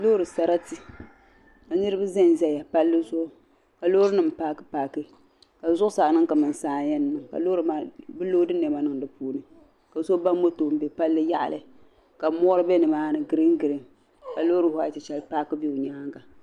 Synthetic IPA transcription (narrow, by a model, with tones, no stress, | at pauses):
loː˦ɾɨ˨sa˦ɾa˦ti˨ | ka˨nɨ˦ɾɨ˦ba˦za˦n˨zɛ˦ja˨pa˦lːɨ˦zʊ˦ʔʊ˦ | ka˨lo˦ɾɨ˦nɨ˨m˨paː˦kɨ˦paː˨kɨ˦ | ka˨zʊ˦ʔʊ˦saː˨nɨ˦ŋka˨mɨ˨n˨saː˦˨˦jɛ˦nː˨ɨ˨ŋka̰˨loː˦ɾɨ˨ma˦bɨ˦lo˦dɨ˦nɛ˨ma˦nɨ˦ŋdɨ˨puː˦nɨ˨ | ka˨so˦ba˦m˦mo˦to˨m̩˦be˨pa˦lːɨ˦ja˦ʔa̰˨lɨ˨ | ka˨˦mɔ˦ɾɨ˦bɛ˦nɨ˨maː˦nɨ˨ɡɨ˦ɾɨ˦ŋ˦ɡɨ˨ɾɨ˦ŋ | ka˨lo˦ɾɨ˦ha˨˦˨tɨ˨t͡ʃɛ˦lpaː˦kɨ˦bi˦ʊ˨ɲaː˦ŋɡa˨